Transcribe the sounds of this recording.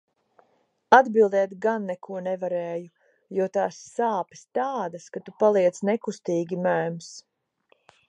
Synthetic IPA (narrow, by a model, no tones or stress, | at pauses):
ad̪bilˠd̪ɛːt̪ɡanːɛkʰuɔnɛvaɾɛːju | juɔt̪aːsːaːpi̥st̪aːd̪askat̪upalˠiɛd̪snɛkust̪iːɡʲimæːms